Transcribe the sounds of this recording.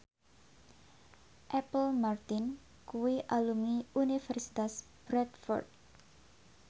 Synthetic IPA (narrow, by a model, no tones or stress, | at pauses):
ʔɛpəlmart̪ɪn | kuwiʔalumiunifɛrsi̥t̪as | b̥ɾɛt̪fɔ̰rt̪̚